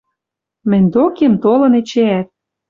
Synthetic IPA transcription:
mɘ̆nʲd̪okemt̪olɤ̆nĕt͡ɕeæt̪̚

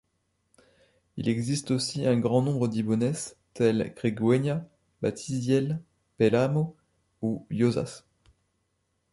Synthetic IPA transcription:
ḭlɛɡzist̪osiɛ̃ɡʁɑ̃nɔ̃bʁəd̪ibɔnɛs | t̪ɛlkʁeɡwɛɲa | ba̰t̪ʰizjɛl | pɛlamo | ujoza̰s

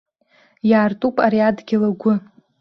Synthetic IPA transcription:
jaːrtʼupʼaɾiadɡʲɪlaɡʷʊ

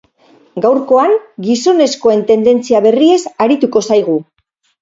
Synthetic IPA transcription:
ɡawɾko̞aŋɡiso̞ne̞sko̞e̞nt̪e̞nd̪e̞nt͡siaβe̞rie̞saɾit̪uko̞sajɣ̞u

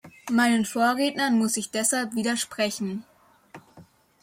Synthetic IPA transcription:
maɪnənfoːɐʁeːtnɐnmʊsɪçd̥ɛshalpv̥iːdɐʃpʁ̥ɛçn̩

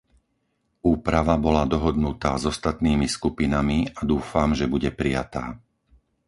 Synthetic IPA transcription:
uːpɾaʋabɔlad̪ɔɦɔd̪nut̪aːzɔst̪at̪niːmiskupinamiad̪uːfamʒɛbuɟɛpɾija̰t̪aː

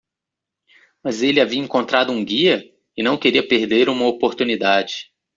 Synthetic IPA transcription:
mɐzelɪaviɐẽŋkõnt̪ɾad̪ʊũɡiɐ | ɪnɐ̃w̃keɾiɐpeɾd̪eɾũmɐopoɾt̪unid̪ad͡ʒɪ

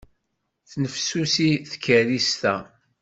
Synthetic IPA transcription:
θnəfsusiθkːəɾist̪æ

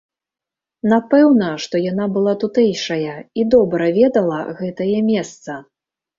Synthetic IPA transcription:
napɛwnɐʂt̪ɔjanabɨlˠat̪ut̪ɛjʂɐjɐid̪ɔbɾɐvʲɛd̪ɐlˠɐɣɛt̪ɐjɐmʲɛst̪sɐ

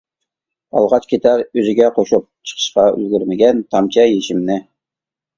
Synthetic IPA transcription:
ɑ̰lˠʁɑt͡ʃkʲʰet̪ʰɛɾøzɪɡʲɛqʰoʃup̚t͡ʃʰə̥qʰə̥ʃqɑy̰lɡʲyɾmɪɡʲɛnt̪ʰɑmt͡ʃʰɛjeʃimnɪ

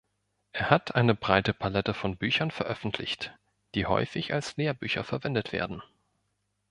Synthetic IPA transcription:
ʔeːɐhatʰʔaɪnəbʁaɪtəpʰalɛtəfɔnbyːçɐnfɛɐʔœfn̩tʰlɪ̰çt | d̥iːhɔ̰ʏfɪça̰lsleːɐby̰ːçɐ̰fɛɐvɛndətv̥ḛːɐdn̩

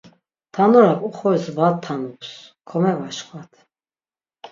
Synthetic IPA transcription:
t̪ʰanɔɾakʼuχɔɛsvat̪ʰːanupskʰɔmɛvaʃkʰvat̪ʰ

